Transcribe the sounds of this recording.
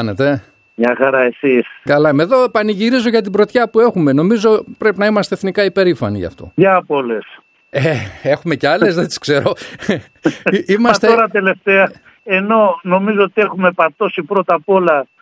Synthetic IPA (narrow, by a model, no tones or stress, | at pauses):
ɐnet̪e̞ | ɲɐxɐɾɐe̞siskɐlɐmeðo̞pɐniʝiɾizoʝɐt̪̬ibɾo̞t̪çɐpue̞xume̞no̞mizo̞pɾe̞pinɐimɐst̪eθnikɐipe̞ɾifɐnḭʝɐ̰ft̪o̞̰jɐpoles | ee̞xume̞ceɐle̞zðet̪i̥skse̞ɾo̞ | imɐst̪eoɾɐt̪ele̞ft̪eɐ | eno̞no̞mizoot̪ie̞xume̞pɐɾt̪o̞sipɾo̞t̪ɐpo̞lɐ